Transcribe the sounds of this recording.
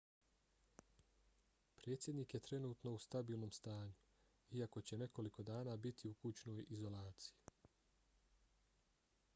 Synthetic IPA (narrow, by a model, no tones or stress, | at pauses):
pɾe̞ːt̪sʲje̞d̪niːkjet̪ɾe̞nuːt̪no̞ust̪abiːlˠno̞mst̪aːɲu | iako̞t͡ɕe̞ne̞ko̞liko̞d̪aːnaːbit̪ʰiukut͡ɕno̞ːjizo̞laːt̪si̥ji